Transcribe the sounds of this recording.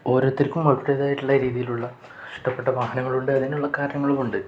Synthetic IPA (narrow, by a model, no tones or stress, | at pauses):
o̞ːɾot̪ːiɾkʲumːɐɻʈːeðaːjiʈːuɭːɐɾiːðijiluɭːɐ | ʂʈɐpːe̞ʈːɐʋaːhɐnɐŋːɐɭuɳɖɨɐðinuɭːɐkaːɾɐɾjɐŋːɐɭumuɳɖɨ